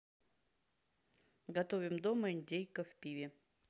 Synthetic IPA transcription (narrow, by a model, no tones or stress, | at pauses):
ɡɐt̪ovʲɪmd̪oməɪnʲdʲejkəfpʲivʲɪ